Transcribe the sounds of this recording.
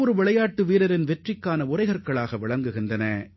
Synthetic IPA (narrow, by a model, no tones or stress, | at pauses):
ɔɾɯʋɪɭɐjaːʈːɯʋiːɾɐɾɪnʋɛʈrɪkːaːnɐʊrɐɪɣɐɾkɐɭaːɣɐʋɪɭɐŋɡɯɣɪndɐnɐ